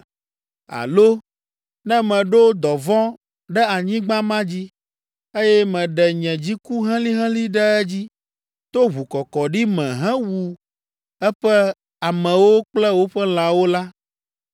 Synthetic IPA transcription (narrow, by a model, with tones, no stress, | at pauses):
a̰˨lo˦ | nɛ̃˦mɛ̃˨ɖo˦d̪ɔ˨vɔ̃˦ | ɖɛ˦a˨ɲĩ˦ɡ͡bã˦mã˦d͡ʑi˦ | e˦jɛ˦mɛ̃˨ɖɛ˨ɲɛ̃˨d͡ʑi˦ku˦ɦɛ̃˦li˦ɦɛ̃˦li˦ɖɛ˦ɛ˦d͡ʑi˦ | t̪o˦βu˨kɔ˨kɔ˨ɖi˦mɛ̃˨ɦɛ̃˦wu˨ | ɛ˦ɸɛ˦ | a˨mɛ̃˨wo˦k͡plɛ˦wo˦ɸɛ˦l̃ã˨wo˦la˦